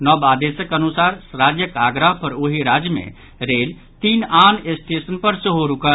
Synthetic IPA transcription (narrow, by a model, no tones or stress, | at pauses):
nɔbad̪esəkənusaːɾsɾad͡ʒjəkaːɡɾəɦpəɾoɦiɾaːd͡ʒjəmḛ̃ | ɾeːl | t̪iːnaːnesʈesənpəɾsəɦoɾukə